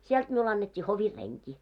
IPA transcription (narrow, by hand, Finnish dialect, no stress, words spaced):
siɛlt miul ɑnːetʲːiː hoʋir reŋki